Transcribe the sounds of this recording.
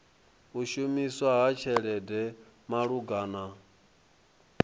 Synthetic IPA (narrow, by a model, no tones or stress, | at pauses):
uʃumiswaɦat͡ʃʰɛɺɛdɛ | maɺuɡaːna